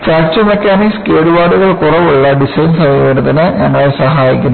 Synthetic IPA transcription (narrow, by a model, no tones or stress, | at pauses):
faːk̚t͡ɕɐmekʲːaːnikskeːɽubaːɽuɣɐɭkurɐʋuɭːɐɖisɐjnsɐʋiʋeɽɐðɐnɨɲɐŋːɐɭesɐɦaːjikʲːunː